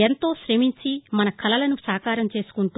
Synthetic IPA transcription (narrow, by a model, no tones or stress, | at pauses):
ent̪o̞ːʃɾemiɲt͡ʃimɐnɐkʰɐlɐlɐnusaːkaːɾɐmt͡ʃe̞ːsu̥kuɳʈu